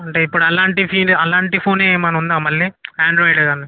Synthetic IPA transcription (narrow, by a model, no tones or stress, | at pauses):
ɐɳʈeːipːuɽuɐlaːɳʈipʰiːlɐlaːɳʈipʰoːneːmɐnɐund̪aːmɐɭːiaːɳɖɾoːjɖɐɡaːni